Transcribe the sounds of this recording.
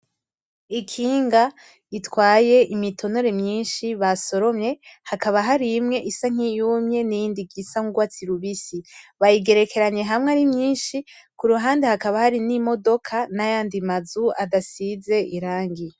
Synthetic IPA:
ikʰiːŋɡa | itwaːje̞ʔimitʰo̞no̞ɾe̞mɲiːnʃiβaso̞ɾo̞mɲe̞hakaβaɦaɾimŋe̞ʔisaŋ̥ijuːmɲe̞nijiːndiɡisaŋuɡwat͡siɾuβisiβajiɡe̞ɾe̞ke̞ɾaɲe̞ɦamŋeaɾimɲiːnʃi | kuɾuɦaːndehakaβahaɾinimo̞do̞kʰanajaːndimazuadasize̞ʔiɾaːŋɡi

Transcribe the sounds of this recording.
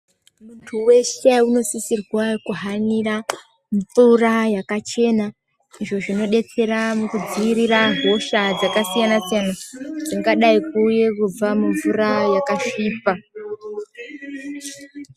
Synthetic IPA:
muntʰuwe̞ʃeuno̞sisirwakuɦanira | mp͡furajakat͡ʃe̞na | iʐo̞ʐino̞ɗe̞t͡se̞ɾamukud͡ziiɾiraɦo̞ʃad͡zakasijanasijanad͡ziŋɡaɗaikuje̞kub͡vamuɱvurajakaʃiːpa

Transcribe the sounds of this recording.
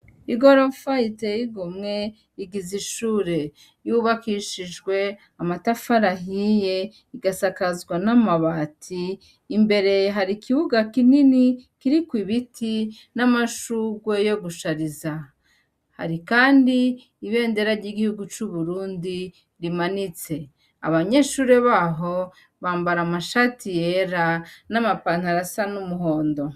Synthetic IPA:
iɡo̞ɾofaitejiɡumŋe̞ | iɡiziʃuːɾe̞ | juβakiʃid͡ʒɡwe̞ | amatafaɾaɦije̞ | iɡasakazɡwanamaβaːtʰiː | mbe̞ɾe̞ɦaɾikiβuɡakininikiɾikwiβitʰi | namaʃuɡwe̞jo̞ɡuʃaɾiza | ha̰ɾikaːndiː | βe̞ːnde̞ɾaɾɟiɡihuɡut͡ʃuβuɾuːndi | ɾimanit͡se̞ | a̰βaɲe̞ːʃuːɾe̞βaɦo̞ | βaːmbaɾamaʃaːtijeɾanamapan̥haɾasanumuɦo̞ːndo̞

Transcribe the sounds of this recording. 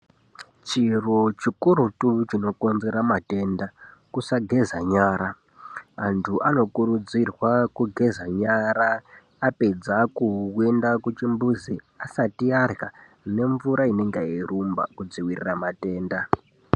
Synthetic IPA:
t͡ʃirot͡ʃikuɾutut͡ʃino̞ko̞nze̞ɾamate̞ndakusaɡʱe̞zaɲaːɾaː | ntʰuʔano̞kuɾud͡zirwakuɡʱe̞zaɲaɾaː | pe̞d͡zakuwendakut͡ʃimbuzi | asatiarɣa | ne̞ɱvuɾaine̞ŋɡaerumba̰kud͡ziwirḭramate̞ːnda

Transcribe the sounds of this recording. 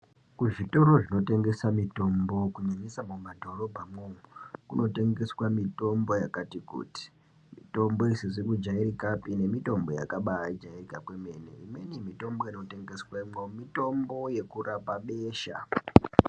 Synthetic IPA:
kuʐito̞ɾo̞ʐino̞te̞ŋɡe̞samito̞mbo̞kuɲaɲisamumadʱo̞ro̞bʱamwoŋukuno̞te̞ŋɡe̞swamito̞mbo̞jakatikṵti̥ | mito̞mbo̞iseʐikud͡ʒaiɾikapine̞mito̞mbo̞ja̰kaɓaid͡ʒairikakwe̞me̞ːnḛime̞nimito̞mbo̞ino̞te̞ŋɡe̞swaimomito̞mbo̞je̞kurapaɓeːʃa̰

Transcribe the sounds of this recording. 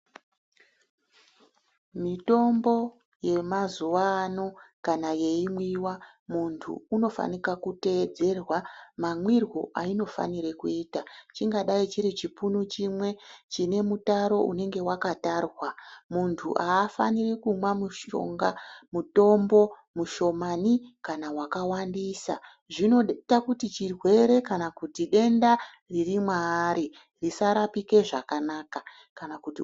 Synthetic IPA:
mito̞mbo̞ | je̞mazuʋaːno̞kanaje̞imwiwa | muntʰṵːno̞fa̰nikakute̞ːd͡ze̞rwamamwirwo̰ʔaino̞fa̰niɾe̞kuiːtat͡ʃiŋɡaɗait͡ʃiɾit͡ʃipunut͡ʃimwe̞t͡ʃine̞mutaɾo̞ʔṵne̞ŋɡe̞wakatarwamuntʰṵʔaːfa̰nirikumwamuʃo̰ŋɡamuto̞mbo̞ | muʃo̞manikanawakawandisa̰ | ʐino̞takutit͡ʃirwe̞ɾe̞kanakutiɗe̞nda | ririmwaːɾi | risaɾapike̞ʐakanaːka | kanakuti

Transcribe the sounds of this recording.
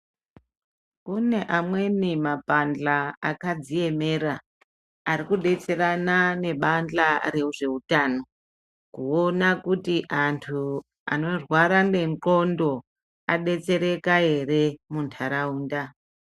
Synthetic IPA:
une̞ʔamwe̞nimapand͡ɮaakad͡zie̞me̞ɾaː | ɾikuɗe̞t͡se̞ranane̞ɓand͡ɮaɾe̞uʐe̞utaːno̞ | kuonakutiʔantʰu | a̰no̞rwaɾanɡe̞ŋǃo̞ndo̞ | aɗe̞t͡se̞ɾe̞kae̞re̞muntʰaɾauːnda

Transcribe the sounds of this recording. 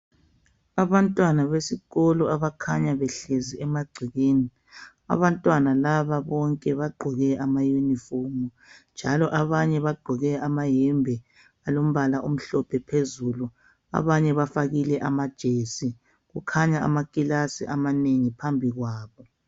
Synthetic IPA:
aβantʼwanaβesiɣɔlɔaβakʰaɲaβɛɬeziɛmaɡ͡ǀʱiɣeːni | a̰βantʼwanalaβaβɔŋkʼɛβaɡ͡ǃʱɔɣɛʔamajunifomu | nd͡ʒʱalɔʔaβaɲɛβaɡ͡ǃʱɔɣɛamajɛmbʱɛ | alom̩βalaʔom̩ɬɔpʰɛpʰezulu | a̰βaɲɛβafaɣilɛʔamad̥ʒ̥ʱesi | ɣukʰaɲaa̰makʼilasḭʔamaneŋipʰambʱiɣwaːβɔ

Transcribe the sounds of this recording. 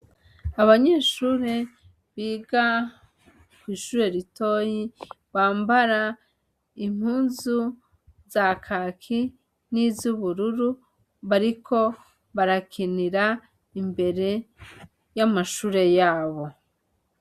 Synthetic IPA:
aβaɲe̞ːʃuːɾe̞ | βiːɡa | kwiːʃuːɾe̞ɾito̞ːji | βaːmbaɾa | im̥huːnzu | zakʰakʰi | nizuβuɾuɾu | βaɾikʰo̞ | βaɾakʰiniɾa | imbe̞ɾe̞ | jamaʃuːɾe̞jaːβo̞

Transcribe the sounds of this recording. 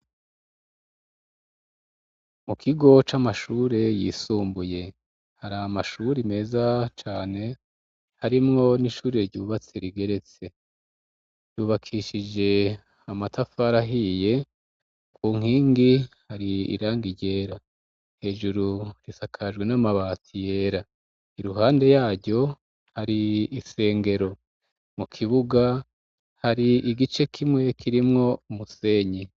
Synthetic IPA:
mukʰiɡo̞t͡ʃamaʃuːɾe̞jiːsuːmbuje̞ | haɾamaʃuːɾime̞ːzat͡ʃaːne̞ | haɾimŋo̞niʃuːɾieɾɟuβat͡seɾiɡe̞ɾe̞t͡se̞ | juːβakʰiʃid͡ʒe̞ | amatʰafaɾaɦije̞ | kʰuːŋ̥hiːŋɡihaɾiḭɾaːŋɡiɾɟe̞ːɾa | he̞ːʒuɾuɾisakʰaʒɡwe̞namaβaːtʰije̞ːɾa | iɾuɦaːnde̞jaːɾɟo̞ | haɾiise̞ːŋɡe̞ɾo̞ | mukʰiβuɡa | haɾiiɡit͡ʃe̞kʰimŋe̞kʰiɾimŋo̞umuse̞ːɲe

